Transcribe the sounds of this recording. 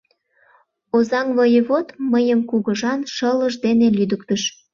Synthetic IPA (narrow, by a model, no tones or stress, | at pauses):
ozɑŋβəjəβot̪məjəmkuɣəʒɑnʃələʒd̪enelyd̪əkt̪əʃ